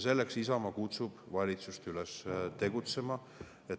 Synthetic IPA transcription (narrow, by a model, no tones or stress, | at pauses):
se̞lːeksisɑmɑkut̪sub̥vɑlʲit̪sust̪ylest̪e̞ɡut̪se̞mɑ | e